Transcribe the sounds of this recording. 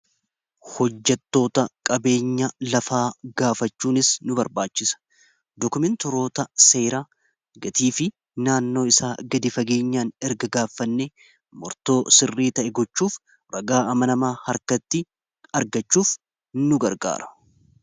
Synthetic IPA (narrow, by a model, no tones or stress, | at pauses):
hɔd͡ʒːɛt̪ːo̞ːt̪ɐkʼɐbe̞ːɲːɐlɐfaːɡaːfɐt͡ʃːuːnɪsnʊbɐɾbaːt͡ʃːɪsɐ̥ | d̪ɔkʊmɛnt̪ʊɾo̞ːt̪ɐse̞ːɾaː | ɡɐt̪iːfɪ | naːnːo̞ːɪsaːɡɐd̪ɪfɐɡe̞ːɲːaːnɛɾɡɐɡaːfːɐnːe | mɔɾt̪o̞ːsɪrːiːt̪ɐʔɛɡɔt͡ʃːuːf | ɾɐɡaːɐmɐnɐmaːhɐɾkɐt̪ːɪ | ɐɾɡɐt͡ʃːuːf | nʊɡɐɾɡa̰ːɾɐ̥